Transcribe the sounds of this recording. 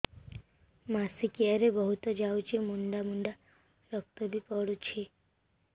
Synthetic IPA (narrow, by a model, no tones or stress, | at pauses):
masikjaɾebəɦut̪ɔd͡ʒaut͡ʃemuɳɖamuɳɖa | ɾək̚t̪əbʱipəɽut͡ʃʰe